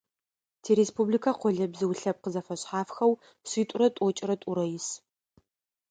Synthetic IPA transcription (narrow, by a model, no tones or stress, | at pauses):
tʰeːɾeːspʰublikʰaqʷɔɮɐbzɨwɬɐp̚qəzɐfɐɕħaːfxɐw | ɕiːtʷʼʊɾɐtʼɔt͡ʃʼɪɾɐtʼʊɾɐjɪs